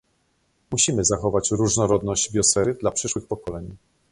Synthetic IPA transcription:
muɕimɘzaxɔvat͡ɕɾuʐnɔɾɔd̪nɔʑd͡ʑbʲjɔsɛɾɘd̪lapʂɘʂwɘxpɔkɔlɛɲi

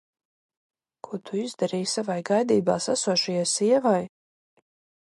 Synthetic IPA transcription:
kʰuɔt̪ʰuizd̪aɾiːsavajɡajd̪iːbaːsasuɔʃajajsiɛvaj

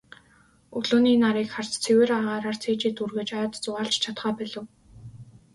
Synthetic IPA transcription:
ɵɮoːniːnaɾiːkχar̥t͡st͡sʰeweːɾaʁaːɾaːrt͡sʰeːt͡ɕeːt̪urɣɘ̆t͡ɕajːt̪t͡sʊʁaːɬt͡ɕt͡ɕʰat̪χœːpæɮɘ̆w

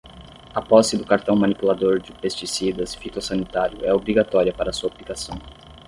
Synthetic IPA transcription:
ɐpɔsɪd̪ʊkaɾt̪ɐ̃w̃mɐnipulad̪oɾd͡ʒɪpest͡ʃisid̪ɐsfit̪osɐnit̪aɾjʊ̰ɛobɾiɡat̪ɔɾiɐpaɾɐsuɐaplikasɐ̃w̃

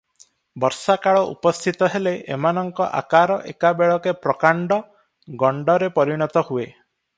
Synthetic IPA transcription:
bɔɾsakaɭɔʔṵpɔst̪ʰit̪ɔɦeleʔemanɔŋkɔʔa̰kaɾɔʔḛkabeɭɔkepɾɔkaɳɖɔ | ɡɔɳɖɔɾepɔɾiɽ̃ɔt̪ɔhue

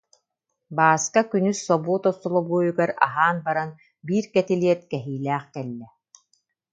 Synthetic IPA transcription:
baːskakynysːɔbuːt̪ɔsːɔlˠɔbuːjuɡaɾa̰ɦaːnbaɾan | biːɾkɛt̪iliɛt̪̚kɛɦiːlæːχkɛlːɛ

